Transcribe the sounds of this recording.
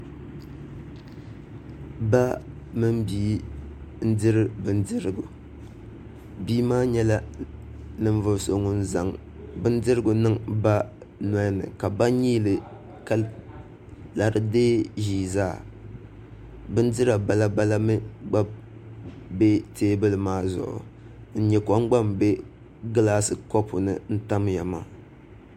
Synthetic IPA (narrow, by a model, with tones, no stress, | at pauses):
ba˦ | mɨ˦m˦biː˦ | n̩˦dɨ˦ɾɨ˦bɨ˦n˦dɨ˦ɾɨ˨ɡʊ̰˨ | biː˦maː˦ɲɛ˦la˦ | nɨ˨ɱ˦vʊ˨so˨ŋʊ˦n̩˦za˨ŋ | bɨ˦n˦dɨ˦ɾɨ˦ɡʊ˨nɨ˦ŋba˦ | na˦nɨ̰˨ka˨ba˦ɲiː˦lɨ˨ | ka˦l | la˨ɾɨ˦deː˦ʒiː˦zaː˦˨ | bɨ˦n˦dɨ˦ɾa˨ba˨la˦ba˦la˦mɨ˦ɡ͡ba˦ | be˦teː˦bɨ˦lɨ˨maː˦zʊ̰˨ʔʊ̰˨ | n̩˦ɲɛ˨kɔ˨˦ŋ͡mɡ͡ba˦mbe˦ | ɡɨ˦laː˦sɨ˦kɔ˦pʊ˨nɨ˨n̩˦ta˦mja˨ma̰˨